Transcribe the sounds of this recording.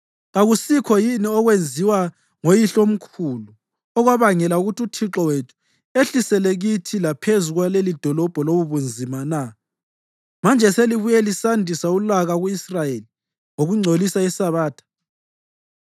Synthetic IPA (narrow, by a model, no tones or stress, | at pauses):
ɣaɣusikʰɔjiniɔɣwend͡zʱiwa | ŋojiɬom̩kʰulu | ɔɣwaβaŋɛlauɣututʰiǁɔwetʰu̥ | eɬisɛlɛɣitʰilapʰezuɣwalelid̥ʱɔlɔb̥ʱɔloβuβund͡zʱimana | mand͡ʒʱɛseliβujɛlisandʱisaulaɣaɣuisrajeli | ŋoɣuŋ͡ǀʱolisaisaβaːtʰḁ